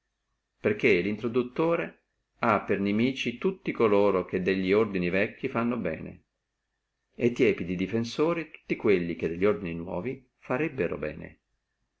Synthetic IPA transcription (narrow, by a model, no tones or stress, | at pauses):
perkːelint̪ɾod̪ut̪ːoːɾe | apːernemiːt͡ʃit̪ut̪ːikoloːɾok̟ed̪ːeʎːiord̪inivɛkːifanːobɛ̰ːnḛ | et̪ːjɛːpid̪id̪ifensoːɾit̪u̥t̪ːikwelːik̟ed̪ːeʎːiord̪ininwɔ̰ːvi | faɾɛbːeɾo̰bɛ̰ːnḛ